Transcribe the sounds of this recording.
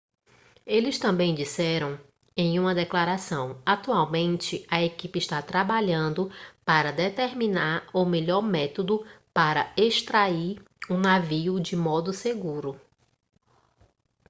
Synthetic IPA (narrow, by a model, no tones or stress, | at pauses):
elɪst̪ɐ̃mbẽj̃d͡ʒisɛɾɐ̃w̃ | ẽj̃ũmɐd̪ɛklaɾasɐ̃w̃at̪uawmẽnt͡ʃɪɐekipɪɪʃt̪at̪ɾabaʎɐ̃nd̪ʊpaɾɐd̪et̪eɾmĩnaɾumeʎɔɾmɛt̪od̪ʊpaɾɐeʃt̪ɾaiɾ | unaviʊd͡ʒɪmɔd̪ʊseɡuɾʊ